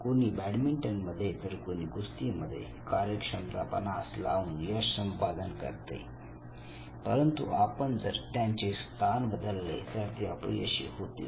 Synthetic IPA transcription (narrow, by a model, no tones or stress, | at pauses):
koñiːbæɽmiɳʈənməd̪ʱːjet̪əɾkoɽ̃iːɡust̪iːməd̪ʱːjḛ | kaɾjəkʂəmt̪a̰pə̰nasla̰uːnjəsəmpad̪ənkə̰ɾt̪ḛ | pəɾənt̪ṵapəɳd͡zə̰ɾt̪jãɲt͡ɕest̪ʰanbəd̪ʱəlːḛt̪aɾt̪iəplḭəɕḭːhot̪i